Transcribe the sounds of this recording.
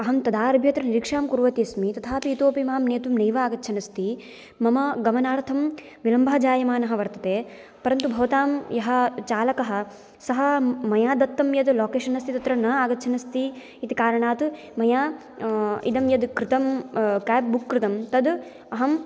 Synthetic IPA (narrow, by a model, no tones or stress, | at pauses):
ɐɦɐmt̪ɐd̪aːɐɾbʱjɐt̪ɾɐniɾikʂaːmkuɾʋɐt̪iːsmit̪ɐt̪ʰaːpiːt̪oːpimaːmneːt̪umnɐjʋaaːɡɐt̪ːt͡ʃʰɐnɐst̪ʰi | mɐmɐɡɐmɐnaːɾɐt̪ʰɐm | ʋilɐmbʱaːd͡ʒaːjɐmaːnɐɦɐ̆ʋɐɾt̪ɐt̪eː | pɐɾɐnt̪ubʱɐʋɐt̪aːmjɐɦɐ̆t͡ʃaːlɐkɐɦɐ̆ | sɐɦɐmɐjaːd̪ɐt̪ːɐmjɐd̪loːkeːʃɐnɐst̪ʰit̪ɐt̪ɾɐnɐaːɡɐt̪ːt͡ʃʰɐnɐst̪iː | t̪ikaːɾɐɳaːt̪u | mɐjaː | ḭd̪ɐmjɐd̪kɾɪt̪ɐmkaːp̚bukːɾɪt̪ɐmt̪ɐd̪ | ɐɦɐm